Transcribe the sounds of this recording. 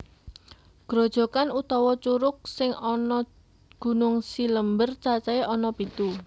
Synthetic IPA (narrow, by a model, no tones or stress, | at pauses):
ɡ̥ɾo̤d̥ʒ̥ɔ̤kanut̪ɔwɔt͡ʃuɾʊk̚sɪŋɔnɔ | ɡ̥ṳnʊŋsiləmbərt͡ʃat͡ʃɛeʔɔnɔpit̪u